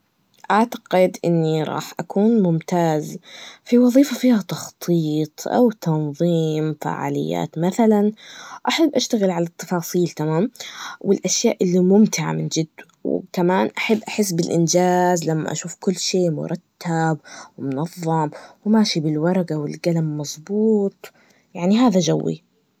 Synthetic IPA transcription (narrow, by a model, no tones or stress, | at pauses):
ʔaʕt̪ḁɡɪd̪ʔɪnːiɾˤɑ̰ːħʔakuːnmʊmt̪aːzfiwɑðˤiːfafiːhat̪ɑxt̪ˤʰiːt̪ˤʔa̰wt̪ɑnðˤiːmfa̰ʕa̰ːlɪ̰jːa̰ːt̪maθalanʔaħabːʔaʃt̪aɣɪlʕalat̪ːɑ̥fɑːsˤiːlt̪amaːmwɪlʔaʃjaːʔɪlːimʊmt̪ɪʕa̰mɪnd͡ʒɪd̪ːaw̰kamaːnʔaħabːʔaħɪs̬ːbɪlʔɪnd͡ʒaːzlamːa̰ʔa̰ʃuːfkʊlːʃeːmʊ̰ɾˤʔɑt̪ʰːabwɪmʊnɑðˤːɑmwɪmaːʃibɪlwɑɾˤɑɡawɪ̰lɡalamːɑzˤbuːt̪ˤ | jaʕniɦaːðad͡ʒawːḭ